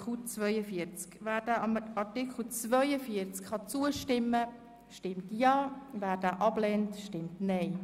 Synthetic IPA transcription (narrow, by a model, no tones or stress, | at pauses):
ut͡svœʏəfiəɾt͡skvæːdaʔɑmɑtɪkχl̩t͡svœʏəfiəɾt͡skχɑt͡suəʃtɪmːə | ʃtɪmtjɑːvæːɾdaːʔɑblɛntʃtɪmtneɪ